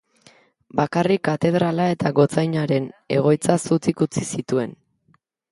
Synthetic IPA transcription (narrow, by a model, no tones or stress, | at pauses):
bakarikːat̪e̞ð̞ɾalae̞t̪aɣo̞t͡sajɲaɾe̞ne̞ɣ̞o̞jt͡sasut͡sikut͡sisit̪ue̞n